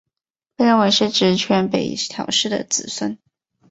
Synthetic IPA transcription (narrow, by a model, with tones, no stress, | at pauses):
pe˥˧ɻə˥˩nwe˧˥ɪʂɻ̩˥˩ʈ͡ʂɻ̩˧˥t͡ɕʰɥɛ˧˥npḛ˨˩ɪt̪ʰjɑ̰˨˥ʊʂɻ̩˥˩d̪ə̰˨t͡sɹ̩˨˩swə˥n